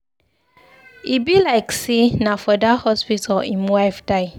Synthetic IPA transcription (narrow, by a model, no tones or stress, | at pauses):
ibilaɪksinafɔdahɔspitʰalĩmwaɪfdaɪ